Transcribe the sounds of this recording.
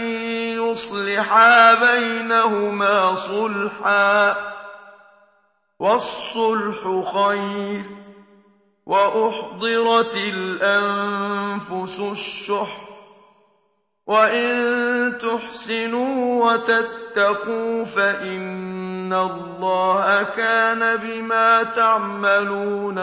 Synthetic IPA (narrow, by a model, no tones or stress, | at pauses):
jʊsˤlɪħaːbajnahʊmaːsˤʊlħaː | wɑsˤːʊlħʊxajɾ | wʔaʔʊħd̪ˤɨɾˤɑt̪ɪlʔanfʊsʊʃːʊħ | waʔɪnt̪ʊħsɪnuːwat̪at̪ːaquːfaʔɪnːallˤːɑːhakaːnabɪmaːt̪aʕmaluːn